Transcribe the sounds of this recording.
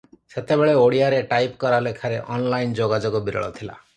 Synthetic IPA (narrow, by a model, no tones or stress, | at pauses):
set̪ebeɭeoɽijaɾeʈajpkɔɾalekʰaɾeʔɔnlajnd͡ʒoɡad͡ʒɔɡɔbiɾɔ̰ɭɔ̰t̪ʰila̰